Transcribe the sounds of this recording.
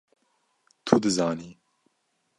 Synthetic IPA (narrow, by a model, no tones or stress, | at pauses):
t̪ʰud̪ɨzɑːniː